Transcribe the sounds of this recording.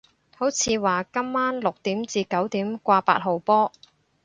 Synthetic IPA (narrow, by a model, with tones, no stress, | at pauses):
ho˨˥wt͡sʰiː˨˧waː˨kɐ˥mːaː˥nlʊ˨k̚t̪iː˨˥mt͡siː˨˧kɐ˨˥wt̪iː˨˥mkʷaː˧pa̰ː˧t̚ɦo˨˩wpɔː˥